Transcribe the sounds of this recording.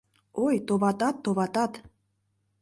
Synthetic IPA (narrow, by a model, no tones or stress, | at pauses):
ojt̪oβɑt̪ɑt̪ːoβɑt̪ɑt̪